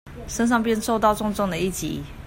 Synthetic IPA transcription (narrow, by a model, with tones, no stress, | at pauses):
ʂə˥˦nʂ̬ɑ˥˧ŋp̬jɛ˥˧nʂo˥˧ʊt̪ɑ˥˧ʊʈ͡ʂʊ˥˧ŋʈ͡ʂɔ˥˩ŋd̪ə˩i˥˩t͡ɕḭ˨˦